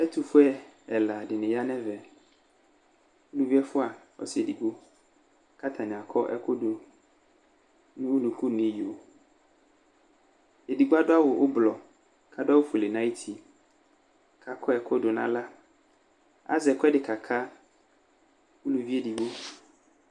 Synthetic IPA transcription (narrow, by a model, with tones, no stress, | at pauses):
ɛ˦tʰʊ˨fʊ˦ɛ˦ɛ˨la˨dɪ˨nɪ̃˨ja˦nɛ̃˦vɛ˨ | u˦lu˨vi˦ɛ˦fʊ˦a˨ | ɔ̰˦sɪ˨e˨di˨ɡ͡bo˦ | kʰa˦t̪ʰa˨nɪ̃˨a˨kʰɔ˦ʔɛ̰˦kʰɔ˦do˨ | nʊ̃˦nũ˨kʰu˦nĩ˦jo˨ | e˨di˨ɡʊ˦a˦dʊ˦a˦wʊ˨ʔʊ˦blɔ˨ | kʰa˦dʊ˦a˦wʊ˦fʊ˨le˨nã˦i˦tʰi˨ | kʰa˨kʰɔ˦ɛ˨kʰɔ˦do˨nã̰˦la˦ | a̰˦zɛ˨kʰɛ˦dɪ˨kʰa˨kʰa˦ | u˦lu˨vi˦e˦di˨wo˦